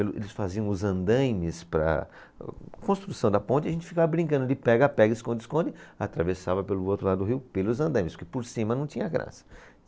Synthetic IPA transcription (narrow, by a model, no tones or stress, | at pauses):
pelʊʔḛlɪsfaziɐ̃w̃ʊzɐ̃nd̪ɐ̃jmɪspɾɐ̰ | kõst̪ɾusɐ̃w̃d̪ɐpõtt͡ʃɪɐʒẽnt͡ʃ̪ɪ̥fikavɐbɾĩkɐ̃d̪ʊlɪpɛɡɐapɛɡɐɪskõnd̪ɪskõnd̪ɪat̪ɾavesavɐpelʊowt̪ɾʊlad̪ʊd̪ʊɦiwpelʊzɐ̃nd̪ɐ̃jmɪskɪpoɾsĩmɐnɐ̃w̃t̪ĩɲɐɡɾã̰sɐ̥